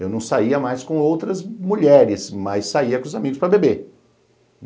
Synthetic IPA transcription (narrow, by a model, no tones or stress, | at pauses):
ewnɐ̃w̃saiɐmajskõowt̪ɾɐzmuʎɛɾɪsmɐjsaiɐkõʊzamiɡʊspɾɐbebe